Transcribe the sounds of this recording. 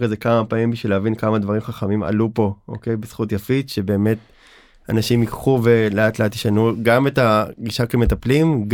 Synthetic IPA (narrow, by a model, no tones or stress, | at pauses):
kazekamapaimbiʃvileavinkamad̪vaʁimχaχamima̰lupo̞ʔo̰kejbesχutjafitʃe̞be̞ːme̞t | a̰naʃimikχuveleatleat̪ːiʃanuɡametaɡiʃakemetaplimɡ